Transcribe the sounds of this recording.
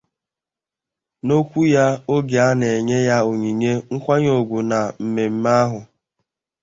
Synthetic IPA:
no˦kʷu˦ja˦o˦ɡe˨a˦ne˨ɲe˦ja˦o˨ɲi˨ɲe˦ŋ̩˦kʷa˦ɲo˨ɡʷu˨na˨m̩˨me˨m̩˦ma˦ɦʊ˨

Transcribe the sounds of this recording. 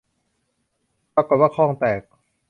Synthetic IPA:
pɾa˧˩ku˨˩p̚waː˥˩kʰɔː˥˩ŋt̪ɛː˨˩k̚

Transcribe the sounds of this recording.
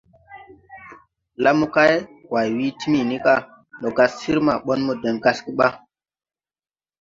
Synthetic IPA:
la˦mu˦ka˦jwa˨jwi˦ti˦mi˨ni˦ka˦ | no˨ɡa˨˦ssi˦ɾma˨ɓo˦nmo˨de˨ŋɡa˦ski˦ɓa˦

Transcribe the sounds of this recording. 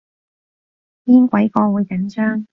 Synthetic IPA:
piː˥nkʷɐ˨˥jkɔː˧wuː˨˧jkɐ˨˥nt͡ʃœː˥ŋ

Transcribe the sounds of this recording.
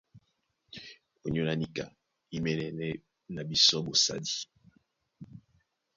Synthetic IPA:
o˨ɲo˦na˨ni˦ka˨ | i˦mɛ˦nɛ˨nɛ˦ | na˨bi˦sɔ˦bo˨sa̰˦di˦

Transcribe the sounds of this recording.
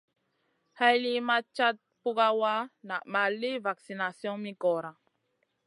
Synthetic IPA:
ha˦jli˦ma˦t͡ʃa˦t̪̚pu˦ɡa˦wa˦na˨ma˨li˦va˨ksi˨na˨sjɔ̃˦mi˦kɔ˨ɾã˨

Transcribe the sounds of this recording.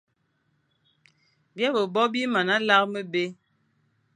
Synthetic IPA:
bja˦bə˨bɔ˦bi˦ma˨na˦la˦kmə˦be˦

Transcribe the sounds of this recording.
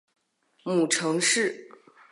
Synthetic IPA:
mu˨˩ʈ͡ʂʰɤ˧˥ŋʂɻ̩˥˩

